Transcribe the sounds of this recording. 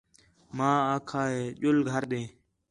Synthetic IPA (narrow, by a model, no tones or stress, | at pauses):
mãːaːkʰaːɦeːʄʊlɡʱəɾɗẽː